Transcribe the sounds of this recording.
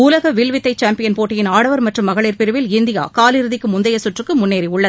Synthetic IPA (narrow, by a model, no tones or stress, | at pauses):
uːlɐɣɐʋɪɭʋɪt̪ːɐɪt͡ʃaːmpɪjɐnpoːʈːɪjɪnaːɽɐʋɐɾmɐʈrɯmːɐɣɐɭeːɾpɪɾɯʋɪlɪnd̪ɪja̰ːkaːlɪɾɯðɪkːɯmʊnd̪ɐjɐsʊʈrɯkːɯmʊnːeːɾiʊɭːɐðɯ